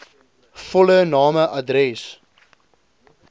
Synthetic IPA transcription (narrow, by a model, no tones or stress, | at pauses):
fɔlənɑːməʔɐdɾɛs